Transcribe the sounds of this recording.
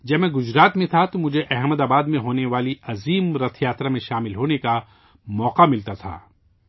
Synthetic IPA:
d͡ʒɐbmẽɡʊzɾaːt̪mẽt̪ʰat̪omʊd͡ʒʱeʔɛɦməd̪aːbaːd̪mẽɦoːneʋaːliɐziːmɾɐt̪ʰjaːt̪ɾamẽʃaːmɪlɦoːneka | mɔːqamɪlt̪at̪ʰa̰ː

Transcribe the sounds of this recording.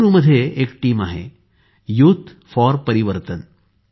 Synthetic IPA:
ɾuməd̪ʱːjeʔeːkʈiːmaɦḛ | jut̪ʰ | fɔɾpəɾiʋəɾt̪ən

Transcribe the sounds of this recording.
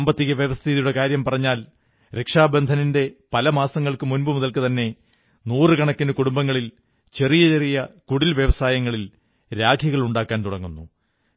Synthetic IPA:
ɐmbɐt̪ːiɣɐʋjɐʋɐst̪ʰiðijuɽe̞kaːɾjɐmpɐrɐɲːaːl | ɾe̞kʂaːbend̪ʱɐninde̞pɐlɐmaːsɐŋːɐɭkɨmunbɨmuðɐlkɨt̪ɐnːe̞ | nuːrɨkɐɳɐkːinɨkuɽumbɐŋːɐɭil | t͡ɕe̞rijɐt͡ɕe̞rijɐkuɽilʋjeʋɐsaːjɐŋːɐɭil | ɾaːɡʰʱjɐɣɐɭuɳɖaːkːaːnt̪uɽɐŋːunːu

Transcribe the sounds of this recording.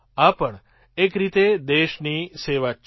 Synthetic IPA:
apəɳ | ekɾit̪ed̪eʃniseʋa

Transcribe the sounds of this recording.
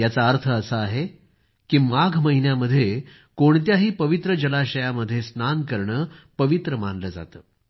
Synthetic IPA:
jat͡saəɾt̪ʰəːsəaɦe | kiːmaɡʱməɦinjaməd̪ʱːje | koɳt̪jaɦiːpəʋit̪ɾəd͡ʑəlaɕəjaməd̪ʱːjesnankəɾɳəːpəʋit̪ɾəmanləd͡za̰t̪əː

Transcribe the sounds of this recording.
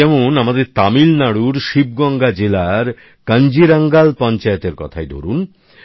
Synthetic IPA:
ɛmonamad̪eɾt̪amilnaɽuɾʃib̚ɡɔŋɡad͡ʑelaɾ | kənd͡ʑiɾaŋɡalpɔnt͡ɕaet̪eɾkɔ̰t̪ʰaed̪ʱo̰ɾun

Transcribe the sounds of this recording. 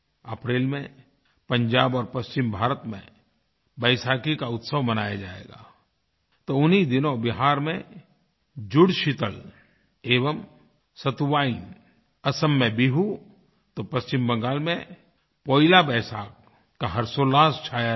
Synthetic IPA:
əpɾeːlmẽ | pə̃ɲd͡ʒaːbɔːɾpɐst͡ʃɪmbʱaːɾət̪mḛ̃ | bəːsaːkikaʊt̪səʋmənaːjad͡ʒaːḛːɡa̰ː | t̪oʊnid̪ɪnõbɪɦaːɾmẽ | d͡ʒʊɽʃɪt̪əl | eːʋəm | sət̪uʋaːin | ɐsəmːẽbiɦu | t̪opɐst͡ʃɪmbə̃ŋɡaːlmẽ | poːɪlabɛːsaːk̚ | kaɦɐɾsoːlaːst͡ʃʰaːja

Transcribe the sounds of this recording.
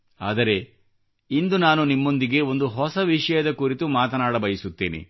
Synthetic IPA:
a̰ːd̪ɐɾe̞ | ind̪unaːnunimːo̞nd̪iɡe̞o̞nd̪uɦɔsɐʋiʂɐjɐd̪ɐkuɾit̪umaːt̪ɐnaːɽɐbɐjisut̪ːḭːnḭ

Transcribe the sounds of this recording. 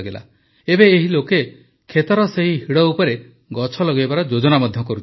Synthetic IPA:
ɡela̰ | ebeːɦiloke | kʰet̪ɔɾɔseɦiɦiɽɔupɔɾe | ɡɔt͡ʃʰɔlɔɡebaɾɔd͡ʒod͡ʒɔnamɔd̪ʱjɔkɔɾut͡ʃʰ

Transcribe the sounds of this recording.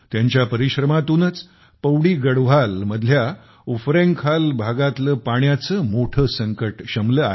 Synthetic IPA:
t̪jaɲt͡ɕjapəɾiɕɾəmat̪unət͡s | pəwɽiːɡəɽʋ̤alməd̪ʱlja | ufɾẽŋkʰalbʱaɡat̪ləpaɳjat͡səmoʈʰəːsəŋkəʈɕəmləːa

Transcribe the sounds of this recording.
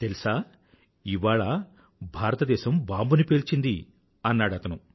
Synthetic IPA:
t̪elisaː | iʋaːɭɐ | bʱaːɾɐt̪ɐd̪ɛːʃɐmbaːmbunipe̞ːlt͡ʃind̪i | ɐnːaːɽɐt̪ɐnu

